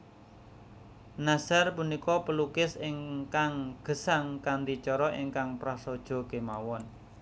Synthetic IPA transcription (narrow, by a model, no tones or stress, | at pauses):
nasarpunikɔpəlukɪsɪŋkaŋɡ̥ə̤saŋkand̪it͡ʃɔɾɔʔiŋkaŋpɾasɔd̥ʒ̥ɔ̤ɡ̥e̤mawɔn